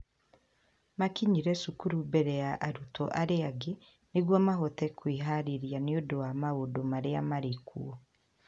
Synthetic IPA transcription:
makiɲiɾɛsukuɾubɛɾɛjaʔaɾutɔʔaɾeaɡe | neɡwɔmaɦotɛkwiɦaɾiɾjaneodowamaodomaɾeamaɾekṵɔ

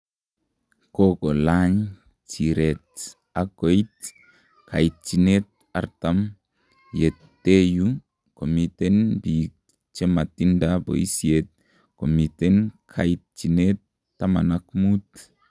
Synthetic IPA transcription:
kokolaɲ | t͡ʃiɾet̪ | akojt̪̚ | kʰajt̪̚t͡ʃinet̪̚ | aɾt̪am | jetː | eju | komit̪enbik | t͡ʃemat̪indabo̰isiet̪̚ | komit̪enkʰajit̪̚t͡ʃinet̪ː | amanakmut̪

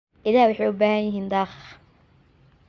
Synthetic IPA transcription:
ʔɪlæːhwɑħɑjʊbaːhɐjɪɦiːnd̪ɑːx

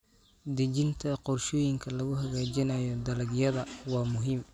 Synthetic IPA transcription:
d̪ɐt͡ʃɪnt̪ʰɐqɔrʃɔːjɪŋkʰɐlɐɣʊɦɐɣaːt͡ʃɪnɐjɔd̪ɐlɐɡjɐðɐwɑːmʊɦiːm

